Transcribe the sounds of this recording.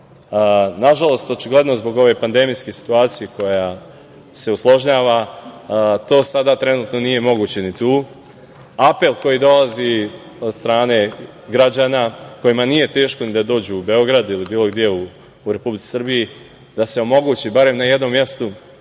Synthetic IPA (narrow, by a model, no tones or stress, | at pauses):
naʒalo̞st̪o̞t͡ʃiɡle̞d̪no̞zbo̞ɡo̞ʋe̞pand̪e̞mijskesi̥t̪uaːt̪sijeko̞ja | se̞uslˠo̞ʒɲaːʋa | t̪o̞ːsad̪at̪ɾe̞nuːt̪no̞nije̞mo̞ɡuːt͡ɕe̞nit̪uː | ape̞lˠko̞jid̪o̞lazi | od̪st̪ɾaːne̞ | ɡɾad͡ʑanako̞jimanije̞t̪e̞ːʃko̞nid̪ad̪o̞ːd͡ʑuːbe̞o̞ɡɾad̪ilibiːlˠo̞ɡd̪je̞uː | ɾe̞publitt͡s̪i̥sr̩biji | d̪ase̞o̞mo̞ɡuːt͡ɕibaɾe̞mnaje̞d̪no̞mːje̞st̪u